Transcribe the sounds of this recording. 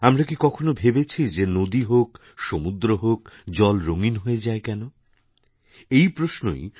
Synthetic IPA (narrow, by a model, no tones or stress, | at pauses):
amɾakikɔkʰonobʱebet͡ɕʰid͡ʑenod̪iɦok | ʃomud̪ɾoɦokd͡ʑɔlɾoŋinɦoed͡ʑaekɛno | ejpɾosno̰j